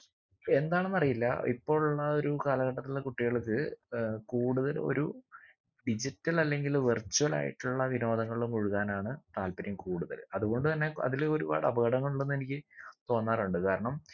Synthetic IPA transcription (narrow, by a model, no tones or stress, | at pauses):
e̞nd̪aːɳenːɐrijilːɐ̰ḭpːo̞ːɭuɭːɐo̞ɾukaːlɐɣɐʈːɐt̪ːillekuʈːiɣɐɭkːɨkuːɽuðɐlo̞̰ɾṵ | ɖid͡ʑitːɐlɐlːe̞ŋɡilʋirt͡ɕːuɐla̰ːjḭʈːuɭːɐʋino̞ːd̪ɐŋːɐɭumuɻuɣaːnaːɳɨt̪aːlpɐɾjɐmkuːɽuðɐ̰lɐðuɣo̞ɳɖɨt̪ɐnːe̞ɐ̰ðilo̞ɾuba̰ːɽɐ̰bɐɣɐɽɐŋːɐɭuɭːenːe̞nikʲːɨt̪o̞ːnːaːruɳɖɨkaːɾɐɳɐm